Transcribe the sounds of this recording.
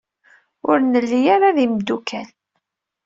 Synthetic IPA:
ʊɾnəlːijaɾaðimd̪ukʰæl

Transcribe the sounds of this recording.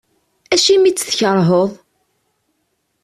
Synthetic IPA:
æʃimit͡sːθçəɾˤɦoðˤ

